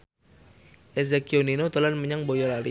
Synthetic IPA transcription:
ʔes̬ekioninot̪olanməɲaŋbojɔlaɾi

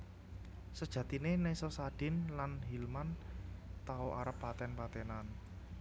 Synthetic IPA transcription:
səd̥ʒ̥ä̤t̪inenesɔsad̥ɪ̤nlanɦilmant̪aoʔaɾəpːat̪ɛnpat̪ɛnan

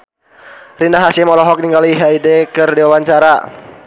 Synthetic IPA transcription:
rinaɦasɪmɔlɔɦɔk̚niŋɡaliɦaidɛkɨrdiwawaɲt͡ʃaɾa

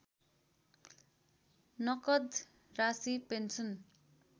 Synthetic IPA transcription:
nʌkʌd̪ | rasipensʌn

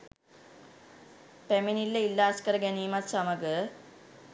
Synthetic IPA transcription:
peminilːɐilːaːskɐɾɡɐniːmɐsɐmɐɡɨ

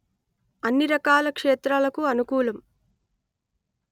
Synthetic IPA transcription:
ɐnːiɾɐkaːlɐkʂeːt̪ɾaːlɐkuɐnukuːlɐm

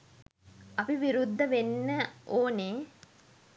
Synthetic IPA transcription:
ɐpiʋiɾud̪ʱːəʋenːəʔoːne

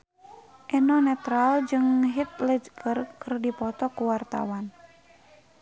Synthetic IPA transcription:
ʔɛnɔnɛt̪ɾald͡ʒɨŋɦit̪̚ləd͡ʒkɨrkɨrdipɔt̪ɔkuwart̪a̰wan

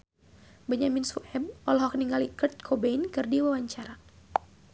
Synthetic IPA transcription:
bəɲaminsuʔɛb̚ɔlɦɔkniŋɡalikɨrt̪̚kʰobenkɨrdiwawaɲt͡ʃaɾa

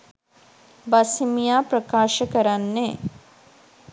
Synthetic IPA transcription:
basimijaːprəkaːʃəkəɾanːe

